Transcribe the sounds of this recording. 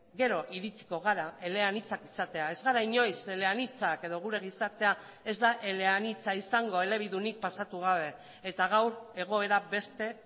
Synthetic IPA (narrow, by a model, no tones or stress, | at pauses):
ɡe̞ɾo̞ʔiɾit͡si̥ko̞ɣ̞aɾae̞le̞anit͡sakisat̪e̞ae̞zɣaɾaiɲo̞jse̞le̞anit͡sake̞ðo̞ɣ̞uɾe̞ɣ̞isaɾt̪e̞a | e̞zd̪aʔe̞le̞anit͡saisaŋɡo̞e̞le̞β̞iðunik̚pasat̪uɣ̞aβ̞e̞ | et̪aɣ̞awɾe̞ɣ̞o̞e̞ɾaβe̞st̪e̞